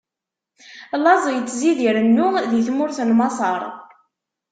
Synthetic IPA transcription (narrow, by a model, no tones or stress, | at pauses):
lɑzˤjət͡sːziðiɾənːʊðjəθmʊɾθənmɑsˤɑɾˤ